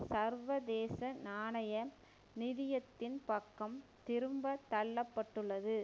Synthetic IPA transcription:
sɐɾʋɐd̪eːsɐnaːɳɐjɐ | nɪðɪjɐt̪ːɪnpɐkːɐmt̪ɪɾɯmbɐt̪ːɐɭːɐpːɐʈːɯɭːɐðɯ

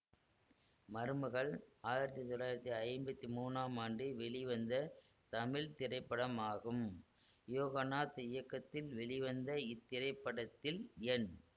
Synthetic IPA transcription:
mɐɾɯmɯɣɐɭaːjɪɾɐt̪ːit̪ɔlːaːjɪɾɐt̪ːiɐɪɾmbɐt̪ːimuːnaːmaːɳɖɯʋɛɭɪʋɐnd̪ɐ | t̪ɐmɪɭt̪ɪrɐɪpːɐɽɐmaːɣɯm | joːɣɐnaːt̪ɪjɐkːɐt̪ːɪlʋɛɭɪʋɐnd̪ɐɪt̪ːɪɾɐɪpːɐɽɐt̪ːɪlɛn

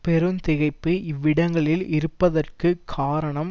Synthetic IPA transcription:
pɛɾɯnt̪ɪɣɐɪpːɯʔɪʋːɪɽɐŋɡɐɭɪlɪɾɯpːɐðɐrkɯkʰːaːɾɐɳɐm

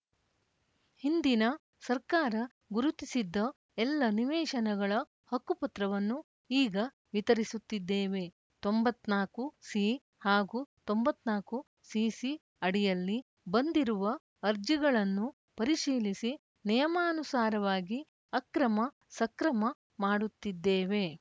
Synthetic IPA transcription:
hind̪inɐ | sɐɾkaːɾɐ | ɡuɾut̪isid̪ːɐ | ɛlːɐniʋɛːʃɐnɐɡɐɭɐ | hɐkːupɐt̪ɾɐʋɐnːu | iːɡɐ | ʋit̪ɐɾisut̪ːid̪ːeːʋe̞ | t̪o̞mbɐt̪ːnaːkusi | haːɡut̪o̞mbɐt̪ːnaːku | sisi | ɐɽijɐlːi | bɐnd̪iɾuʋɐ | ɐɾd͡ʒiɡɐɭɐnːu | pɐɾiʃiːlisi | nɛjɐmaːnusaːɾɐʋaːɡi | ɐkɾɐmɐ | sɐkɾɐmɐ | maːɽut̪ːid̪ːeːʋe̞

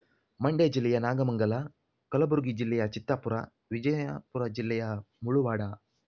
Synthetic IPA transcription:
mɐɳɖeːd͡ʒilːɛjɐnaːɡɐmɐŋɡɐlɐ | kɐlɐbuɾɡid͡ʒilːɛjɐt͡ʃit̪ːɐpuɾɐ | ʋid͡ʒɐjapuɾɐd͡ʒilːɛjɐ | muɭuʋaːɽɐ

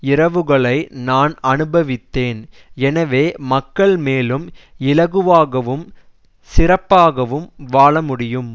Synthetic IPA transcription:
ɪɾɐʋɯɣɐɭɐɪnaːnɐnɯbɐʋɪt̪ːeːn | ɛnɐʋeːmɐkːɐɭmeːlɯmɪlɐɣɯʋaːɣɐʋɯm | sɪrɐpːaːɣɐʋɯmʋaːɭɐmʊɽɪjɯm

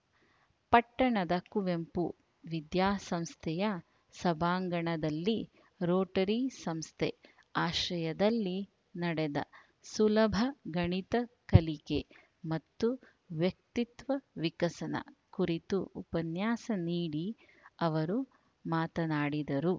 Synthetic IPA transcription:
pɐʈːɐɳɐd̪ɐkuʋempu | ʋid̪jaːsɐmst̪ʰɛjɐ | sɐbʱaːŋɡɐɳɐd̪ɐlːi | ɾoːʈɐɾisɐmst̪ʰe | aːʃɐjɐd̪ɐlːi | nɐɽɛd̪ɐ̰ | sulɐbʱɐɡɐɳit̪ɐkɐlike | mɐt̪ːu | ʋjɐk̚t̪it̪ʋɐʋikɐsɐnɐ̰kuɾit̪uupɐnjaːsɐniːɽi | ɐʋɐɾu | maːt̪ɐnaːɽid̪ɐɾu

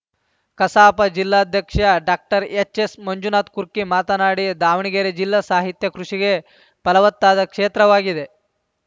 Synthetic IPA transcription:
kɐsaːpɐd͡ʒilːaːd̪ʱjɐkʂɐɖaːk̚ʈɐɾet͡ʃesmɐɲd͡ʒunaːt̪kuɾkimaːt̪ɐnaːɽid̪aːʋɳiɡeːɾed͡ʒilːɐsaːɦit̪jɐkɾuʂiɡe̞ | pɐlɐʋɐt̪ːaːd̪ɐkʂeːt̪ɾɐʋaːɡid̪e̞

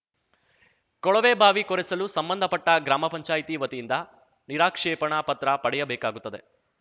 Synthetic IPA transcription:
kɔɭɐʋeːbʱaːʋikɔɾɛsɐlusɐmbɐnd̪ʱɐpɐʈːɐɡɾaːmɐpɐɲt͡ʃaːjit̪iʋɐt̪ijind̪ɐ | niɾaːkʂɛːpɐɳapɐt̪ɾɐpɐɽɛjɐbɛːkaːɡut̪ːɐd̪e̞

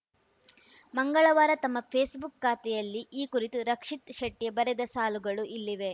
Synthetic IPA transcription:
mɐŋɡɐɭɐʋaːɾɐt̪ɐmːɐpʰeːsbukːaːt̪ɛjɐlːiʔiːkuɾit̪uɾɐkʂit̪ʃɐʈːijɐbɐɾed̪ɐsaːluɡɐɭuʔilːiʋe̞

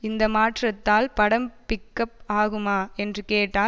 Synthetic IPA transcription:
ɪnd̪ɐmaːʈrɐt̪ːaːlpɐɽɐmpɪkːɐp̚aːɣɯmaːɛndrɯkeːʈːaː

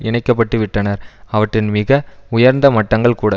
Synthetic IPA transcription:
ɪɳɐɪkːɐp̬ːɐʈːɯʋɪʈːɐnɐɾɐʋɐʈːrɪnmɪɣɐʊjɐɾnd̪ɐmɐʈːɐŋɡɐɭkuːɽɐ

